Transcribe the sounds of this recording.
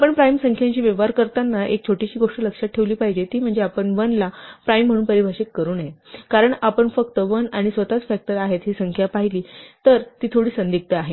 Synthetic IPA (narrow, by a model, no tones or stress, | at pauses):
apəɳpɾajmsəŋkʰjaɲt͡ɕiːʋeʋaɾkəɾt̪anːaʔek̚t͡ɕʰoʈiɕiːɡoʂʈələkʂat̪̚ʈʰːeʋliːpaɦid͡ʑet̪iːm̤əɳd͡zeapəɳʋənlapɾajm̤ːəɽ̃uːnpəɾibʱaɕikːəɾuːnjekaɾəɳapəɳfəkt̪əʋənaɽ̃isʋət̪at͡sfæk̚ʈəɾaɦet̪ɦiːsəŋkʰjapaɦiliːt̪əɾt̪iːt̪ʰoɽiːsənd̪ik̚t̪əaɦe